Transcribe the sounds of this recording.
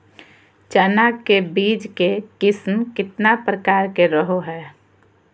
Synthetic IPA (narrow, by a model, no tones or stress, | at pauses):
t͡ʃanakkebiːd͡ʒkekɪsmkɪt̪napɾəkaːɾkeɾəɦoɦɛː